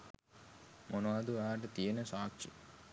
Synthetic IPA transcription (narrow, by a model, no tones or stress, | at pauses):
mʔonad̪uaːʈet̪inesaːk̚t͡ʃḭ